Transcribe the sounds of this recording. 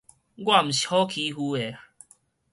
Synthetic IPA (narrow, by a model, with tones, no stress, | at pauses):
ɡwa˥˨m̩˨˩i̥˨hɔ˦kʰi˧˦ɦu˧e˨˦